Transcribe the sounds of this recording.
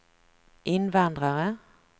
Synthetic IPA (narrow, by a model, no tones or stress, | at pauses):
ʔɪnʋand̪ʁaʁə